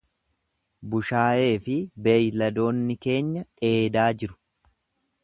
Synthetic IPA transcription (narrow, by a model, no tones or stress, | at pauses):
bʊʃaːje̞ːfɪbe̞ːjlɐd̪o̞ːnːɪke̞ːɲːɐᶑe̞ːd̪aːd͡ʒɪɾʊ̥